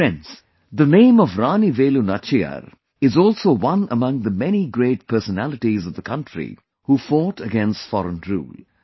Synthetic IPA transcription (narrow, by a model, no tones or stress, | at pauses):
ɛ̃ns | ðənẽːmʌvɾãːniʋeːlunat͡ʃiə̰ɾ | ɪzɔːlsoːwʌ̃nəmʌ̃ŋðəmɛniɡɾeːʈ̚pʰɜ˞sənælɨʈizʌvðəkʰʌ̃ntɾḭ | hufɔːʈəɡɛ̃nstfɔ̰ɾə̃nɹṵːl